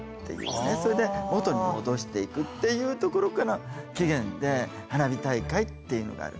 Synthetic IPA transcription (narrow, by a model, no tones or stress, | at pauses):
t̪ːe̞jɯ̟̰ːneso̞ɾe̞d̪emo̞t̪o̞ɲ̟imo̞d̪o̞ɕi̥t̪e̞ikɯ̟t̪ːe̞jɯ̟ːt̪o̞ko̞ɾo̞kaɾakʲiɡẽ̞nd̪e̞ | hanabʲit̪aikait̪ːe̞jɯ̟no̞̰ɡa̰a̰ɾɯ̟̰